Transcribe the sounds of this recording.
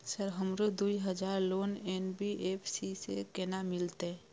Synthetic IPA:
səɾɦəmɾod̪uiɦəd͡ʒaːɾloːneːnbiʔeːpʰsisekɛnamɪlt̪eɛ̃

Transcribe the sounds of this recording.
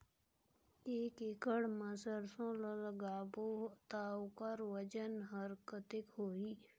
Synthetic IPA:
eːkɪkəɽməsəɾsõlələɡaːbot̪aːkəɾʋəd͡ʒənɦəɾkət̪ɪkɦoːiː

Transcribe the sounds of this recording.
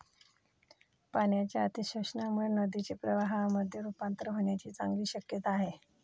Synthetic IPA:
paɳjat͡ɕjaət̪iɕəʂənamuɭenəd̪it͡ɕepɾəʋaɦaməd̪ʱːjeɾupant̪ɾəɦoɳjat͡ɕiːt͡sa̰ŋɡliːɕəkjət̪aaɦe

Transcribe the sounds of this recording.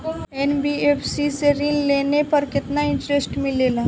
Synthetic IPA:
enbieːpʰsiseɾɪ̃lleːnepɐɾkɪt̪naɪ̃ɳʈɾesʈmɪ̃leːlaː

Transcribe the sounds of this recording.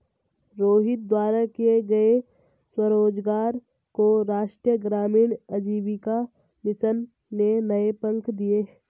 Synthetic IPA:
ɾoːɦɪt̪̚d̪waːɾakeɡɐe | swəɾoːd͡ʒɡaːɾ | koɾaːʃʈɾijəɡɾaːmiːɽəd͡ʒiːʋika | mɪsənː | enɐepə̃ŋkʰd̪ieː

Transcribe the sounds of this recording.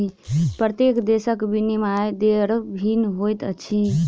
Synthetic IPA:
ipɾət̪ekd̪esəkbinimajd̪eɾbʱinɦojt̪ət͡ʃʰi

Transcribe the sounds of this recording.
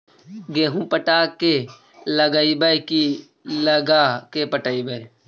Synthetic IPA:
ɡeːɦũpəʈaːke | ləɡəibəjki | ləɡakepəʈəibə

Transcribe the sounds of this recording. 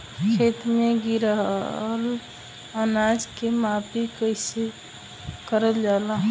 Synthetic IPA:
kʰeːt̪meɡiɾɦl | ənad͡ʒkemaːpikəɪse | kəɾəld͡ʒaːlaɦ

